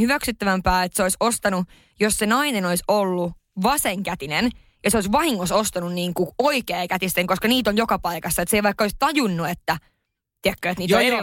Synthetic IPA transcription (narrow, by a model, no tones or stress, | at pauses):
hyʋæksyt̪ːæʋæmpæːet̪seoisost̪ɑnu | jossenɑinenoisolːu | ʋɑseŋkæt̪inen | jɑseoisʋɑhiŋːosost̪ɑnunniːŋkuoikeːkæt̪ist̪eŋkoskɑniːt̪oljokɑpɑikɑsːɑet̪seiʋɑikːoist̪ɑjunːuet̪ːæ | t̪iækːøːet̪niːt̪o